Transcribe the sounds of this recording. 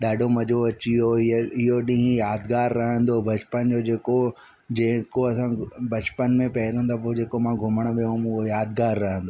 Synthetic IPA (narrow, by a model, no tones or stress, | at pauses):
ɗaːɖʱomɐd͡ʑoɐt͡ɕioɪɦoɗĩɦjaːd̪ɡaːɾːɐɦə̃nd̪obʱɐt͡ɕpənd͡ʑoːd͡ʑeːko | d͡ʑẽːkoɐsãbɐt͡ɕpənmẽpɐɦɪɾə̃nd̪ap̬od͡ʑeːkomãːɡʱʊməɽ̃ʋijõmʊɦojaːd̪ɡaːɾːɐɦə̃nd̪oː